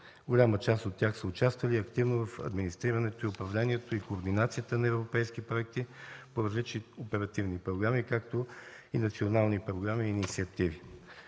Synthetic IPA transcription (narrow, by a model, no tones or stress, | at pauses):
ɡolʲamət͡ʃast̪ot̪ʲːjaxsəʊt͡ʃast̪vəliɐkt̪ivnovɐfɐ̰d̪minist̪ɾiɾɐnɛt̪oiʊpɾɐvlɛniɛt̪oikoːɾd̪inat̪sijət̪ənɐɛvɾopɛjsk̟ipɾoɛk̚t̪ipoɾɐzlit͡ʃniopɛɾɐt̪ivnipɾoɡɾamikakt̪o | inɐt̪sionalˠnipɾoɡɾamiːnit̪siɐt̪ivi